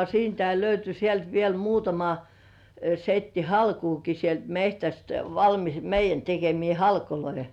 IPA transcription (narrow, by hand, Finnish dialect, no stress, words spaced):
siːntæi løyty sielt ʋiel muːtɑmɑ setːi hɑlkuːki sielt mehtæst ʋɑlmis meijˑæn tekemiː hɑlkoloi